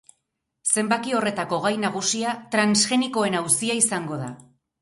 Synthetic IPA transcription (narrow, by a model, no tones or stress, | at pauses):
se̞mbakio̞re̞t̪ako̞ɣ̞ajnaɣ̞usiat̪ɾansxe̞niko̞e̞nawsiaisaŋɡo̞ða̰